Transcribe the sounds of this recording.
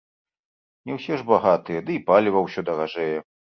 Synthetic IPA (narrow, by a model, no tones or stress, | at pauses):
nʲɛwsʲɛʐbaɣat̪ɨjɛd̪ɨipalʲivɐwsʲɔd̪ɐɣaʐɛjɛ